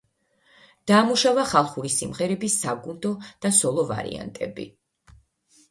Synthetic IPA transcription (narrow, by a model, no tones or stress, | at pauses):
d̪̥aːmuʃavaχalˠχuɾisimʁɛɾɛbisaɡund̪ɔd̪̥asɔlˠɔva̰ɾḭa̰nt̪ʼɛ̰bḭ